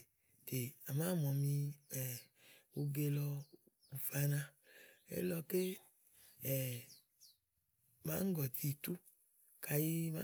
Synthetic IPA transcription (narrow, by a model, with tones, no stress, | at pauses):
te˨a˨mã˦mɔ˨mĩ˧ɛ˨ | o˧ɡe˧lɔ˧ | u˨fa˧nã˧ḛ˦lɔ˧ke˦ | ɛ˨ | mã˦ŋ̩˦ɡɔ˨t̪i˧t̪u˦ | kʰa˨ji˧ma̰˦